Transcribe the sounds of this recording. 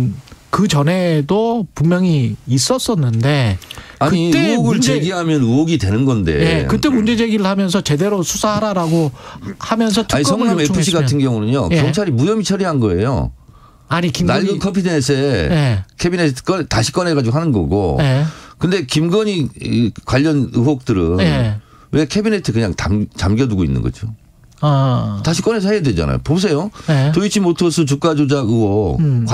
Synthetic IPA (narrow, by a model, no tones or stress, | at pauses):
kɯt͡ɕʌnɦe̞dopummjʌŋiːs͈ʌs͈ʌnːɯnde̞akɯɲit͈euoɡɯɭt͡ɕeɡiɦamjʌnuoɡidwe̞nɯnɡʌnde̞̰jekɯt͈e̞mund͡ʑe̞d͡ʑe̞ɡiɾɯɭhamjʌnsʰʌt͡ɕe̞de̞ɾosʰusʰaɦaɾaɾaɡohamjʌnsʰʌtʰɯisk͈̬ʰʌŋamepʰuɕ̬͈ʰiɡatʰɯnɡjʌŋunɯɲokjʌŋt͡ɕʰaɾimujʌmit͡ɕʰʌɾiɦanɡʌe̞̰jo̰ | ainaɭɡɯkʰʌmpʰidenesʰe | kʰebinetʰɯ̥k͈ʌntaɕʰi̥k͈ʌne̞ɡad͡ʑiɡoɦanɯnɡʌ̰ɡo̰ | kɯnde̞kimɡʌɲikwaʎːʌnɯɦwok̚t͈ɯɾɯn | we̞kʰebine̞tʰɯkɯɲaŋta̰mt͡ɕamɡjʌduɡoinːɯ̰nɡʌ̰d͡ʑo | taɕʰik͈ʌne̞s̬ʰʌhejadwed͡ʑa̰na̰jo̰pos̬ʰe̞jotoit͡ɕʰimotʰosʰɯt͡ɕuk͈ad͡ʑod͡ʑaɯwʌ